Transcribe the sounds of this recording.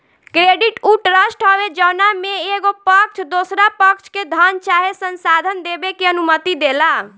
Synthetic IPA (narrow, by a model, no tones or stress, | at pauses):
kɾeɖiʈuʈɾəsʈɦɔbed͡ʒənameeɡopəkt͡ʃʰd̪osɾapəkt͡ʃʰked̪ʱant͡ʃaɦesənsad̪ʱənd̪ebekeənumət̪id̪ela